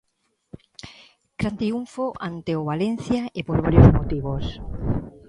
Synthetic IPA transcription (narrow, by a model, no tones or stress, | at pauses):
ɡ̥ɾand̪ɾiuɱfoʔant̪eoβalen̟θjaepoɾβ̞aɾjozmot̪iβos